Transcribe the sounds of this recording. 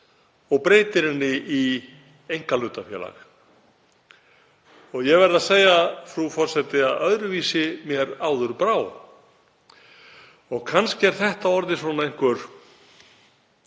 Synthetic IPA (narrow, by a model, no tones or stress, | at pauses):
ɔɣpɾeːjt̪ɪɾɪnːɪʔi | ejŋkalʏːt̪afjɛ̰ːla̰x | ɔɣjɛɣvɛɾɪðaseːjafɾufɔr̥sɛt̪ɪaðœðɾʏviːsɪmjɛɾaːwðʏɾpɾaːw | ɔɣkʰanscɪɛɾ̥θɛht̪aɔɾðɪsvɔːnaejŋ̥kvʏɾ̥